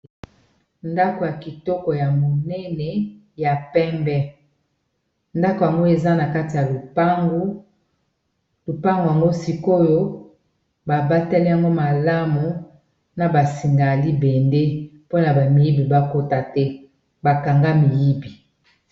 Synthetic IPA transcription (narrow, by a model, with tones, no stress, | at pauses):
nda˦ko˨ja˨ki˨tɔ˦kɔ˨ja˨mo˨nɛ˦nɛ˨ | ja˨pɛ˦mbɛ˦ | nda˦ko˨ja˨ŋɡo˦e˨za˦na˨ka˦ti˨ja˨lu˨pa˦ɡ | lu˨pa˦ŋɡo˨ja˨ŋɡo˦si˦ko˦jo˦ | ba˨ba˦tɛ˦lɛ˦ja˨ŋɡo˦ma˨la˦mu˨ | na˨ba˨si˨ŋɡa˨li˦bɛ˨nde˦po˦na˨ba˨mi˨ji˦bi˨ba˨ko˦ta˨tɛ˦ | ba˨ka˨ŋɡa˦mi˨ji˦bi˨